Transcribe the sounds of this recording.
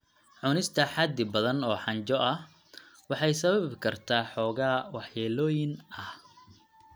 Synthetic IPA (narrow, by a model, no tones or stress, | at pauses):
ʕʊnɪst̪ʰɐħɑd̪ːɪbɐðɐnɔːħɑɲt͡ʃɔʔɐh | wɑħɑjsɐβɐbbkʰɐrt̪ʰaːħɔːɣaːwɑħjaːlɔːjɪnʔɐh